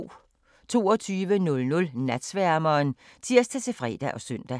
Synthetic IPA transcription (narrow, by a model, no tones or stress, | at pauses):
t͡sʰo̝̰ːɒ̽t͡sʰyːʋənɔ̽lnɔ̽lnæd̥sʋæɐmɐːnt͡sʰiɐ̰s̚t͡sʰet͡sʰe̝fʁɛ̰ːd̥æʔɒ̽sœn̰d̥æ